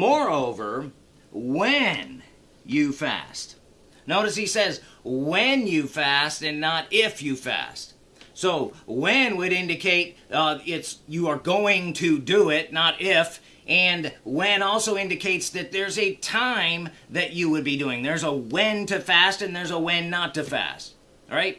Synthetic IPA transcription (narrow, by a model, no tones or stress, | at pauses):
mɔɹoʊvə̰˞ | wɨ̃n | jɨfæ̰st | noʊɾɨsisɛzwɨ̃njɨfæstɨ̃nːəɾɪfjɨfæ̰st̚ | soʊwɨ̃nwɨɾɪ̃ndɨkʰeɪɾɪtsjɨə˞ɡoʊɪ̃ŋtʰɨdɨɪtⁿnəɾɪf | ʔɨ̃nwɛ̃nɔlˠsoʊɪ̃ndɨkʰeɪtsðɨt̪̚ðə˞zɨtʰãɪ̃mðɨt͡ʃɨwɨd̚biduɪ̃ŋðə˞zəwɛ̃ntɨfæstɨ̃nðə˞zəwɨ̃nːətɨfæ̰st̚ | ɹaɪt̚